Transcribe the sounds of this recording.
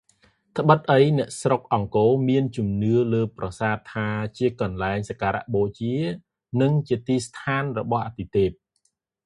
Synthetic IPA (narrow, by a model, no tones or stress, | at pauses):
t̪ʰə̆ɓɨt̪̚ʔəjnɛ̆əʔsrok̚ʔɑŋkoːmiənt͡ɕumnɨələːprɑsaːt̪ʰːaːt͡ɕiəkɑnlaɛŋsakaːɾa̰ʔɓoːt͡ɕiə | nɨŋt͡ɕiət̪iːst̪ʰaːnrɔɓɑhʔat̪ːit̪eːp̚